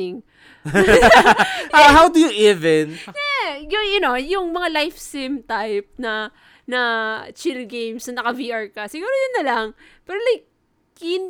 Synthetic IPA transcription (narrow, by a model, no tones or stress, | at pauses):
ɪŋ | haɦawd̪ʊjʊʔɪvɛnjɛjʊjʊnojʊŋmɐŋalajfsɪmt̪ajp̚nɐ | nɐt͡ʃɪlɡejmsnɐnɐkɐviʔɐɹkɐsɪɡuːɾojʊnːɐlɐŋpɛɾolajk̚ː | ɪn